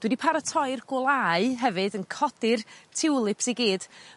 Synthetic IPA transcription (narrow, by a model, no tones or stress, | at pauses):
d̥wɛdipʰaɾatʰɔɨrɡ̥ʊlˠaɨɦɛvɨdənkʰɔd̥ɪrtʰɪwlˠɨpsiɡiːd̥